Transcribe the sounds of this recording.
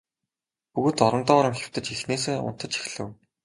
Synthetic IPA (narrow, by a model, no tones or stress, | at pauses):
puɣɵ̆ːt̪ɔɾɞ̆nt̪ɔːɾə̆mxʲew̥ʲt̪ɘ̆t͡ɕxixneːs̬eːʊ̰n̥t̪ə̆t͡ɕi̥xɮɘ̆w